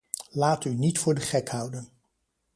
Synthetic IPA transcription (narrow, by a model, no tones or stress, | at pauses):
laːtynitfʊːɹdəχɛkhʌwdən